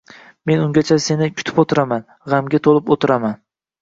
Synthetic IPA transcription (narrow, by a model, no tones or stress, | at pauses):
me̞nʊŋɡʲat͡ʃʰase̞nɪkʲʰʊ̥t̪ʰɪ̥pot̪ʰɪɾaman | ʁamɡʲat̪ʰolˠɪpot̪ʰɪɾaman